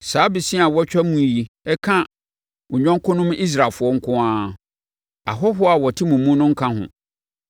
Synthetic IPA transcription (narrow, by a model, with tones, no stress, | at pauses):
saː˨˦bi˨sĩ˦a˨wɔ˦t͡ɕᶣa˦mũ˦˨ji˨ | ɛ˦kʰã˦ | wʊ˨ɲᶣɔ̃˦ŋ˦kʰʊ̃˦nʊ̃˦m˦i˦s̬ɾa˨fʊ˨ɔ˦ŋ̩˦kʰʊ̃˦ã˦ | a̰˨ɦɔ˦ɦʊ˦a˨wɔ˨tʰɪ˦mũ˨mũ˦nʊ̃˦ŋ̩˦kʰã˦ɦʊ̰̃˨